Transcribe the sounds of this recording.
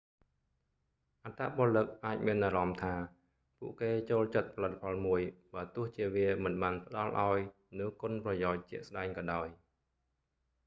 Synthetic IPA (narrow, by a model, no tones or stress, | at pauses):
ʔat̪aːɓoəlɨk̚ʔaːc̚miənʔaɾɑmt̪ʰaː | puəʔkeːt͡ɕoːlt͡ɕət̪̚pʰɑlɨt̪ʰːḁpʰɑlmuəjɓaːt̪ʊ̆əht͡ɕiəʋiəmɨnɓaːnpə̆ɗɑlʔa̰ɔj | nɨwkŏnprɑjaɔc̚t͡ɕɛ̆əʔsɗaɛŋkɑːɗaɔj